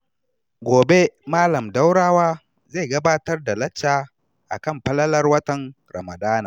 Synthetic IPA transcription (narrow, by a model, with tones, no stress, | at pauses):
ɡʷoː˨be˦maː˦lɐ˨mda˦wɽaː˦waː˦ | za˦˨jɡɐ˦baː˦tɐ˦rda˨lɐ˦t͡ʃːaː˦ | ʔa̰˨kɐ˦˨mɸɐ˦lɐ˦lɐ˦rwɐ˦tɐ˨ŋ | ɾɐ̰˨mɐ˨daː˦na̰ː˨